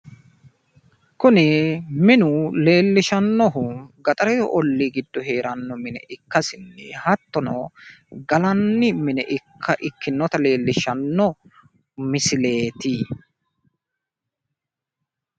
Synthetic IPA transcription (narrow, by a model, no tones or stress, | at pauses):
kʊnɪmɪnʊle̞ːlːɪʃɐnːɔɦʊɡɐt̪ʼɐɾɛɔʔɔlːiːɡɪd̪ːɔɦe̞ːɾɐnːɔmɪnɛ̰ʔɪkːɐsɪnːɛ̰hɐt̪ːɔnɔ̰ɡɐlɐnːɪmɪnɛʔɪkʰːɐʔɪkːɪnːɔt̪ɐle̞ːlːɪʃɐnːɔ | mɪsɪle̞ːt̪iː